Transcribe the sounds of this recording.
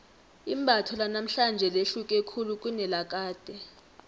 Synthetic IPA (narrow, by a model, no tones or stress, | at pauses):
imbʱatʰɔlanam̩ɬand͡ʒʱɛleɬukʼekʰuluk̬ʼunɛlak̬ʼaːd̥ʱɛ